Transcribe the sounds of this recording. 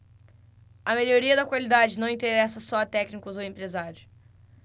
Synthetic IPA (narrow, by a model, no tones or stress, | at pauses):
ɐmeʎoɾiɐd̪ɐkwalid̪ad͡ʒɪnɐ̃w̃ĩnt̪eɾɛsɐsɔɐt̪ɛknikʊzowẽmpɾezaɾjʊ